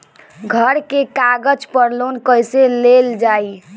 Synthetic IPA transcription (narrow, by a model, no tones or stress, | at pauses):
ɡʱəɾkekaɡəd͡ʒpəɾlonkəjseleld͡ʒaj